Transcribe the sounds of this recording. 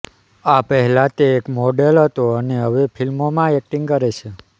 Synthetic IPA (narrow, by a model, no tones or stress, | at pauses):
apəɦɛlãt̪eːkmoɖelɦət̪oəneɦəʋefʰilmomãek̚ʈĩŋɡkəɾet͡ʃʰe